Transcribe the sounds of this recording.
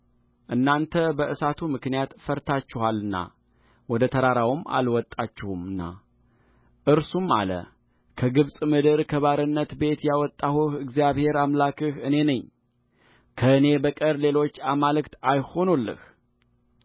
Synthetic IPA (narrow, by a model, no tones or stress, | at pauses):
ʔɨnːant̪ʰəbəɨsat̪ʰumɨknijat̪fəɾt̪ʰat͡ʃːɪwalɨnːa̰ | wɔd̪ət̪ʰəɾaɾawɨma̰lwɔt̪ʼːat͡ʃːɪhumɨnːa̰ | ʔɨɾsuma̰lə̰ | kʰəɡɨβsʼmɨd̪ɨɾkʰəβaɾɨnːət̪be̞t̪jawɔt̪ʼːahuhɨɡzijaβhe̞ɾamlakʰɨhɨne̞nəɲː | kʰəɨne̞bəkʼəɾle̞lo̞t͡ʃːamalɨkt̪ajho̞nolːɨ̰h